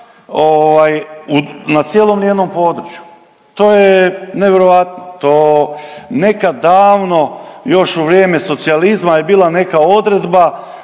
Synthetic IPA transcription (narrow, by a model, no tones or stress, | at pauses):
oʋajunat̪sjelˠo̞mnije̞d̪no̞mpo̞ːd̪ɾut͡ʃju̥ | t̪o̞ːjeneʋe̞ɾoʋat̪not̪oː | ne̞kad̪aːʋno̞jo̞ʃuʋɾjeːme̞so̞t̪sializmajebiːlˠane̞kao̞d̪ɾe̞d̪ba